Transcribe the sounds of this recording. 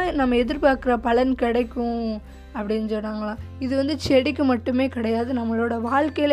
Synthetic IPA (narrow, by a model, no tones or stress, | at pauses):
nɐmːɐɛðɪɾpaːɾkɯɾɐpɐɭɐnkɪɽɐɪkːʊ̃ | ɐpːɐɽɪnːɯsɔnːaːŋɡɐɭãːɪðɯʋɐnd̪ɯt͡ʃɛɽɪk̬ːɯmɐʈːɯmeːkɪɽɐjaːðɯnɐmːɐɭoːɽɐʋaːɭkɐjɪl